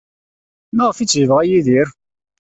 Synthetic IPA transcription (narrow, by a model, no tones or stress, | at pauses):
məʁfit͡sːjəvəʁæjiðiɾ